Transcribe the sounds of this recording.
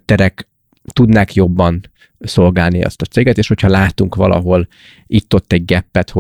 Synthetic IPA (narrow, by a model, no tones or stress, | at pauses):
t̪ːɛɾɛk | t̪ud̪naːkjo̞bːɒn | so̞lɡaːlniɒ̰st̪ɒt̪seːɡɛt̪eːʃho̞chɒlaːt̪uŋkʋɒ̰lɒ̰ɦo̞l | it̪ːo̞t̪ːɛɟɡɛpːɛt̪ho